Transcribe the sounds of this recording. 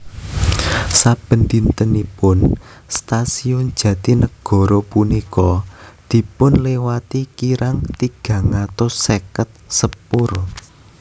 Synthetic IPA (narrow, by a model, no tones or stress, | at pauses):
sab̥ə̤nd̪int̪ənipʊn | st̪asiʊnd̥ʒ̥ä̤t̪inəɡ̥ɔ̤ɾɔpunikɔd̪̥i̤pʊnlewat̪ikiɾʔaŋt̪iɡ̥ä̤ŋat̪ɔsekət̪̚səpʊr